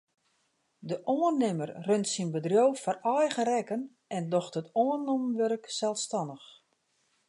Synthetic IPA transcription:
dəʔoːərnːɪmərrøntsinbədrjoːfɔrɔjɣərɛkən | ɛndɔxtətoənomʋørksɛlˠstɑndəx

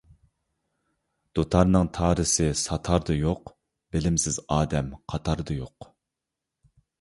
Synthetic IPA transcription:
d̪̥ot̪ʰɑɾnɨŋt̪ʰɑːɾɨsɨsɑt̪ʰɑɾd̪ɨjoq | b̥ɪlɪmsɪzɑːd̪ɛmqʰɑt̪ʰɑɾd̪ɨjoq

